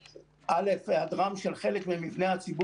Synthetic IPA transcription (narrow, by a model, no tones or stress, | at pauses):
ʔalefhadʁamʃelχe̞lekmemivne̞hat͡sibu